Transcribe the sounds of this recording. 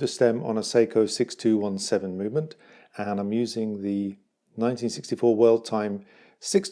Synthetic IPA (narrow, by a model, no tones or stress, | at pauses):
ðəstɛ̃mə̰̃nəseɪkʰəʊsɪkstʰʉːwʌ̃nsɛvə̃nmʉvmə̃nt | ə̃nãɪ̃mjʉːzɪ̃ŋðə | nãɪ̃ntʰĩnsɪkstifɔːwɜːlˠd̚tʰãɪ̃m | sɪks